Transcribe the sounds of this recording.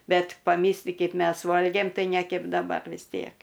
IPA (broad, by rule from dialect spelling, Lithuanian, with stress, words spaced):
ˈbʲɛt pɐˈmʲiːsʲlʲɪ ˈkʲɛɪp ˈmʲɛs ˈʋoːlʲɡʲeːm ˈtɐɪ nʲɛ ˈkʲɛp dɐˈbɐr ʋʲɪs ˈtʲiɛk